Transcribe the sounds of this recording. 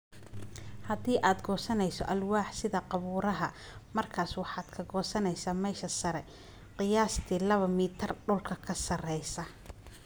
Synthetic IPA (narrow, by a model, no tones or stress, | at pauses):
hɐðiːʔaːd̪ɡɔːsɐnɛjsɔ̰ʔɐlwaːħsɪðɐqɑβuːɾɐɦɐmɐrkʰaːswɑħɑːd̪̥kʰɐɡɔːsɐnɛjsaːmɛːʃɐsɐɾɛ | qɪjaːst̪ʰiːlɐβɐmiːt̪ʰɐrɖʊlkʰɐkʰɐsɐrɛjsɐ